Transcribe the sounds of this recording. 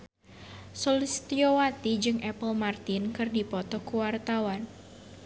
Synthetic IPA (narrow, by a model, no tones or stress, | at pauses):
sɔlist̪iowat̪id͡ʒɨŋʔɛpəlmart̪ɪnkɨrdipɔt̪ɔkuwart̪awan